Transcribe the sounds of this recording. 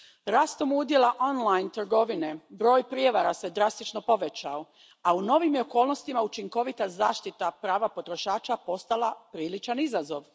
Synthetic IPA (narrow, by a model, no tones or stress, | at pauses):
ɾaːst̪o̞mud̪jelˠaʔonlˠajnt̪ɾɡo̞ʋine̞bɾo̞ːjpɾje̞ʋaɾased̪ɾast̪it͡ʃno̞po̞ʋe̞t͡ɕao̞ | auno̞ʋimjeoko̞ːlˠno̞st̪imaut͡ʃiŋko̞ʋit̪azaːʃt̪it̪apɾaːʋapo̞t̪ɾo̞ʃaːt͡ʃapo̞st̪alˠapɾiːlit͡ʃanizazo̞ʋ